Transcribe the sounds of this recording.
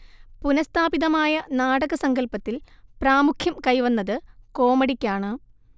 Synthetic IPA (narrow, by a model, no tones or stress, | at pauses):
punɐst̪ʰaːbiðɐmaːjɐnaːɽɐɣɐsɐŋɡɐlpɐt̪ːilpraːmukʰjɐmkɐjʋɐnːɐðɨko̞ːmɐɽikʲːaːɳɨ